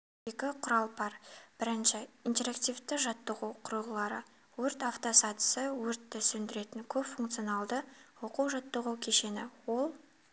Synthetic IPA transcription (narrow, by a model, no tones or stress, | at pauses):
e̞kʲɪqʰʊɾɑlˠbɑɾb̥ɪɾɪnʃɪint̪e̞ɾakt̪ʲijft̪ɪʒɑt̪ːəʁuwqʰʊɾəlˠlˠɑɾə̰ | wɵɾt̪aft̪o̞sɑt̪ə̥səwɵɾt̪ːɪsɵnd̪ɪɾe̞t̪ɪŋkʲʰɵpfuŋkt̪sɨionɑlˠd̪əwo̞quwʒɑt̪ːəʁuwkʲʰe̞ʃe̞nɪwo̞lˠ